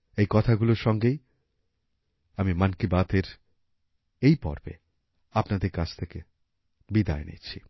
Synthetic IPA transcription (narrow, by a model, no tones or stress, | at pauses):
ejkɔt̪ʰaɡuloɾʃɔŋɡej | amimankibat̪ʰeɾ | ejpɔ̰ɾbḛ | apnad̪eɾkad͡ʑʰt̪ʰeke | bid̪a̰enḭt͡ɕʰi